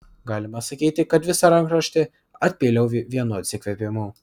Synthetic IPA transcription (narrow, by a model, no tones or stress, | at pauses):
ɡɑːlʲɪmɐsɐkʲiːt̪ʲɪkɐt̪ʋʲɪsɐɾɐŋkɾɐʃʲt̪ʲɪ | ɐt̪ʲpʲeːlʲɛʊʋʲiɛnoːɐt̪ʲsʲɪkʋʲɛpʲɪmuː